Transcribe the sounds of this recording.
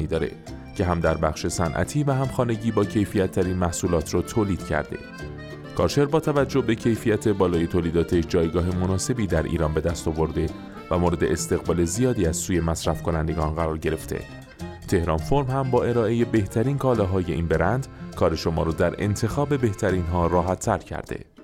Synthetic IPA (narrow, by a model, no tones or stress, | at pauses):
iːd̪ɒːɾe̞̰ | cʰe̞ɦæmd̪æɾbæχʃe̞sænʔæ̰t̪ʰiːvæhæmxɒːne̞ɟiːbɒːcʰe̞jfijæt̪ʰːæɾiːnmæhsuːlɒːt̪ʰrɔːt̪ʰoːliːd̪̥cʰæ̰ɾd̪e̞̰ | kʰɒ̰ːʃe̞ɾbɒːt̪ʰævæd͡ʒːohbe̞cʰe̞jfijæt̪ʰe̞bɒːlɒːje̞t̪ʰoːliːd̪ɒːt̪ʰeʃd͡ʒɒːjɡɒːɦemo̞nɒːse̞biːd̪æɾʔḭːɾɒːnbe̞d̪æst̪ɒːvo̞ɾd̪e̞ | væmoːɾe̞d̪e̞est̪e̞ɣbɒːle̞zijɒːd̪iːæz̥suːje̞mæsɾæfkʰo̞nænd̪e̞ɡɒːnɢæɾɒːɾɟe̞ɾe̞ft̪ʰḛ | t̪ʰe̞hɾɒːnfo̞ɾmhæmbɒːe̞ɾɒːʔe̞je̞be̞ht̪ʰæɾiːnkʰɒːlɒɦɒːje̞ʔḭːnbe̞ɾænd̪kʰɒːɾe̞ʃo̞mɒ̰ːɾɔːd̪æɾe̞̰nt̪ʰe̞xɒːbe̞be̞ht̪ʰæɾiːnɦɒːrɒːɦæt̪ʰːæɾcʰæ̰ɾd̪̥e̞̰